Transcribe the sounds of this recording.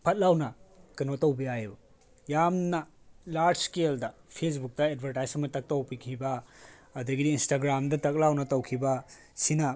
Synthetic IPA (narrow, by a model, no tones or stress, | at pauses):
pʰɐt̚lawnɐkɐnotɐwbiajbu | jamnɐ | laɾd͡ʒskeldɐpʰes̬buk̚tɐed̚bʱɐɾtajsɐmɐtɐk̚tɐwpikʰibɐ | ɐdɐɡidiːnstaɡɾamdɐtɐk̚lawnɐtɐwkʰibɐ | sinɐ